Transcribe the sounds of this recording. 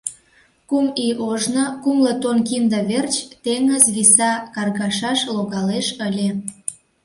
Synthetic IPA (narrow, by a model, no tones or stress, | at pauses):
kumiʔoʒnokumlət̪onkimd̪ə̆βert͡ɕt̪eŋəzβisɑkɑrɣɑʃɑʃloɣɑleʃəlʲe